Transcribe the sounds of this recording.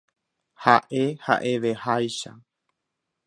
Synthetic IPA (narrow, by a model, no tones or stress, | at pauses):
haʔe̞ha̰ʔe̞ʋe̞hajʃa